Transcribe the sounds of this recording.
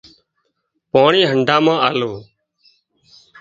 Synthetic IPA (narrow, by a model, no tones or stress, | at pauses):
paːɳiːɦəɳɖãːmãːʔaːloː